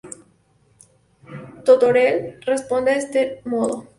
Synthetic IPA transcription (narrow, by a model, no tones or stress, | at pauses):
t̪ot̪oɾelrespond̪eest̪emoðo